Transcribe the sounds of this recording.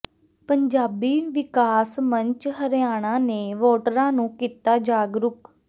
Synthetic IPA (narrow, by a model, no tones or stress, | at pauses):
pəɲd͡ʒaːbiːʋɪkaːsməɲt͡ʃɦəɾjaːɽ̃ãːneːʋoːʈəɾãːnũːkiːt̪aːd͡ʒaːɡɾʊk